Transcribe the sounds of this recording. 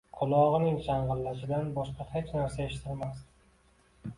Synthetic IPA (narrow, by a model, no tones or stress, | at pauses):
qʰʊlˠɒʁɨnɪŋʃaɴʁɨlːaʃɪd̪anbɒʃqɑhet͡ʃnaɾsae̞ʃɪ̥t̪ʰɪlmast̪